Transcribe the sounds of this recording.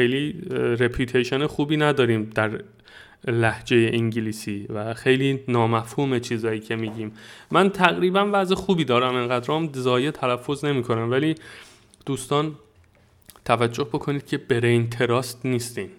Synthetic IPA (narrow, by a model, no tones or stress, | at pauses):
xejliːɾe̞pʰjuːt̪ʰejʃonexuːbiːnæd̪ɒːɾiːmd̪æɾ | læhd͡ʒe̞je̞ʔiŋɟiliːsiːvæxe̞jliːnɒːmæfhuːme̞t͡ʃʰiːzɒːjiːcʰe̞miːɟiːmmænt̪ʰæɣɾiːbænvæzexuːbiːd̪ɒːɾæmeŋɢæd̪ɾɒːmzɒːjet̪ʰælæfːo̞zne̞miːkʰo̞næmvæliː | d̪̥uːst̪ɒːn | t̪ʰævæd͡ʒːo̞hbo̞kʰo̞niːd̪̥cʰe̞be̞ɾejnt̪ʰe̞ɾɒːst̪niːst̪iːn